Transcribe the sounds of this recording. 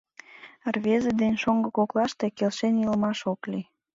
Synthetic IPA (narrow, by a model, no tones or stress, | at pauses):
rβezĕd̪enʃoŋɡɤkoklɑʃt̪e̽kelʃenjilmɑʃokli